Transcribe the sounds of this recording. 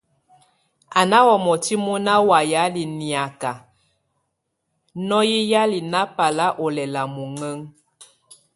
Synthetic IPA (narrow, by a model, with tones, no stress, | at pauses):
a˨na˦wɔ˨mɔ˨ti˦mu˦na˦wa˨ja˨˦li˨ni˨a˨ka˨ | nɔ˦ji˦ja˦li˨na˦pa˨la˦ʔɔ˨lɛ˨la˨mu˨ŋə˦ŋ